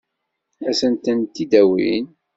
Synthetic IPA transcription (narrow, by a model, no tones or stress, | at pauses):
æsənt̪ənt̪ːid̪æwḭn